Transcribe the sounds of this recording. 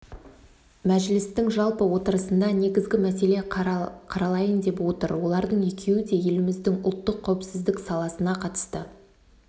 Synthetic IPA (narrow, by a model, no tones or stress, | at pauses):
mæʒlɪst̪ɪŋʒɑlˠpəwo̞t̪əɾəsənd̪ɑne̞ɡʲɪzɡʲɪmæse̞le̞qʰɑɾɑlˠɑjənd̪e̞pwo̞t̪əɾwo̞lˠɑɾd̪əɴje̞kʲʰe̞wɪd̪e̞je̞lɪmɪzd̪ɪŋʊlˠt̪ːəqʰːæwɪpsɪzd̪ɪksɑlˠɑsənɑqʰɑt̪ə̥st̪ə